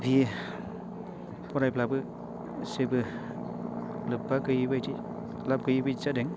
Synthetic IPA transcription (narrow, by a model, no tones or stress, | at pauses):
bi | pɔɾajplabɯ | sebɯ | lɯbːakɯjibajti | lap̚kɯjibɯt͡ʃadeŋ